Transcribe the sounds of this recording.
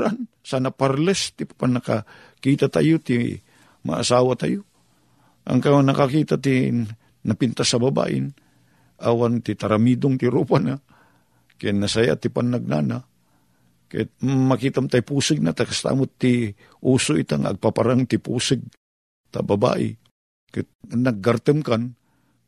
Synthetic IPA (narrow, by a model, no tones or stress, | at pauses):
an | sanapaɾlɛst̪ipḁpanːaka | kiːt̪at̪a̰jot̪i | ma̰ʔa̰saːwat̪a̰jo | a̰ŋkanɐkakiːt̪at̪i | napɪnt̪asɐbaba̰ːʔɪ̰n | ʔawant̪it̪aɾamid̪ʊŋt̪ɪɾupana | kajanasaja̰t̪ipanːaɡ̚na̰na | ka̰jat̪̚makit̪amt̪ajpuːsɨɡ̚nat̪akast̪a̰ːmʊt̪ːi | ʔuːsoʔit̪aŋaɐ̰ɡ̚papaɾaŋt̪ipuːsɨɡ̚ | t̪a̰baba̰ːʔɪ̰ | kanaɡːaɾt̪ɨmkan